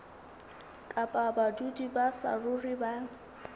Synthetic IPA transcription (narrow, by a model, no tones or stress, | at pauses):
kʼapʼabadudibasa̰rʊribaːŋ̩